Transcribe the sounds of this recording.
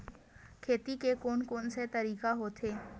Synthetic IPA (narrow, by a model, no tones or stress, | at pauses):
kʰeːt̪ikekoːnkoːnset̪ɐɾiːkaɦot̪ʰeː